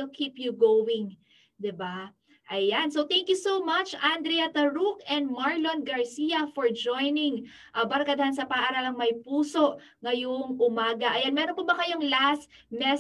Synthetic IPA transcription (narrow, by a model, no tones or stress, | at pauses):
lkʰiːpjuɡowɪŋ | d̪ɪba | ʔɐjansowt̪ɛŋkjusowmɐt͡ʃʔand̪ɾɛjɐt̪ɐɹukɛ̃nd̪̚maɹlonɡɐɹsijɐfoɹd͡ʒojnɪŋ | ʔɐbɐɾɐkɐd̪ɐhɐnsɐpɐaʔaːɾalɐŋmɐjpuːso̞ʔ | ŋɐjoŋʔʊmaːɡɐʔɐjanmɛːɾonpobɐkɐjoŋlast̪mɛ